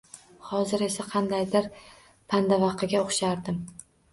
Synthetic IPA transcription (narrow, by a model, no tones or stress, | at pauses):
hɒzɪɾe̞saqʰɑnd̪ajd̪ɪɾ | pʰand̪avɑqʰɨɡʲaoχʃaɾd̪ɪm